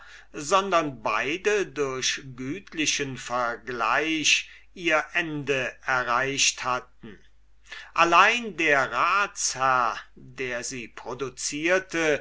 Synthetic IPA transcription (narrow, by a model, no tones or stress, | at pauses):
zɔndɐnbaɪdədʊɐɕɡyːtʰlɪʃənfɛɐɡla̰ɪʃ | ʔiːɐʔɛndəʔɛɐʁaɪʃthat̚n̩ | ʔalaɪndeːɐʁaːt͡shæɐdeːɐziːpʁ̥odut͡siːɐtə